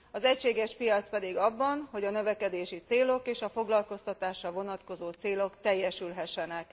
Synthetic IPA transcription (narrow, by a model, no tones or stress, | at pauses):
ɒzɛcʃeːɡɛʃpijɒt̪spɛd̪iɡɒbːɒnho̞ɟɒnøvɛkɛd̪eːʃit̪seːlo̞keːʃɒfo̞ɡlɒlko̞st̪ɒt̪aːʃrɒvo̞nɒt̪ko̞zoːt̪seːlo̞kt̪ɛjːɛʃylɦɛʃːɛnɛk